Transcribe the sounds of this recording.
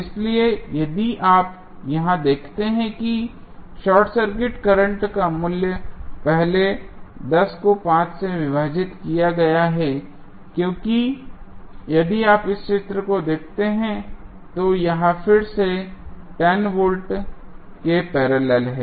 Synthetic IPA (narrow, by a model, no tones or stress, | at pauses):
ɪsliejɐd̪iʔaːp | jɐɦãd̪eːkʰt̪eɦɛ̃ki | ʃɔːʈsɐɾkɪʈkɐɾə̃ɳʈkamʊljəpɛɦled̪ɐskopãːt͡ʃseʋɪʋaːd͡ʒɪt̪kijaɡɐjaɦɛ | kjõːki | jɐd̪iaːpɪsʃɪt̪ɾəkod̪eːkʰt̪eɦɛ̃ | t̪ojɐɦãfʰɪɾseʈɛːnʋoːlʈ | kepɛːɾaːlɛːlɦɛː